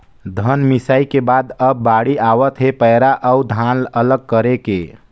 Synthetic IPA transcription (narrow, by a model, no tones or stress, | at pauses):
d̪ʱənmisaikebad̪əbːaɽiawət̪ɦepəjɾaʔəud̪ʱanələɡ̚kəɾeke